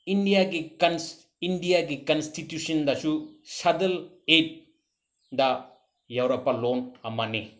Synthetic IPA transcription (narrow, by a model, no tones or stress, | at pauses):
indijaɡikɐn | indijaɡikɐnstʰitjusɐndɐsusɐdɐl | et̚ | dɐ | jawɾɐpːalonɐmani